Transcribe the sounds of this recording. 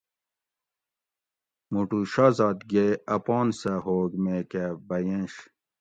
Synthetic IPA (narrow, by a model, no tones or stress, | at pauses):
muʈuɕazɑːt̪ɡeɐpɔːnsɐɦoːɡmekebɐjẽɕ